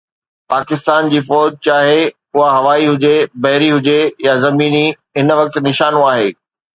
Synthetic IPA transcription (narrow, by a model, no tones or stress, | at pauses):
paːkɪst̪aːnd͡ʑiːfɔːd͡ʑt͡ɕaːɦe | ʊɦaɦɐʋaːiɦʊd͡ʑebɐɦɪɾiɦʊd͡ʑejazɐmiːni | ɦɪnʋɐk̚t̪̆nɪʃaːnõaːɦeː